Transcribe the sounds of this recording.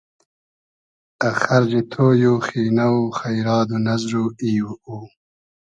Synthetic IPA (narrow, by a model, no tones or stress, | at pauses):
axaɾzit̪ʰoːjoːxiːnawxajɾɑːd̪unazɾoiuuː